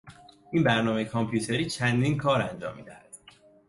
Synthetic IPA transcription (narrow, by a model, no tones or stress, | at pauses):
ʔiːnbæɾnɒːme̞jekʰɒmpʰjuːt̪ʰeɾiːt͡ʃʰænd̪iːnkʰɒːɾænd͡ʒɒ̰ːmːiːd̪æhæd̪̥